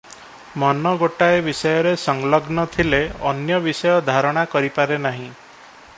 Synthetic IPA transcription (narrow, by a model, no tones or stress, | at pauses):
mɔnɔɡoʈaebisɔjɔɾesɔŋlɔɡnɔt̪ʰileɔnjɔbisɔjɔd̪ʱaɾɔɽ̃akɔɾipaɾenaɦĩ